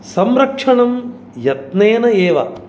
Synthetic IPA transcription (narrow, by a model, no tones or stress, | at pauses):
sɐmɾɐkʂɐɳɐm | jɐt̪neːnɐeːʋɐ̰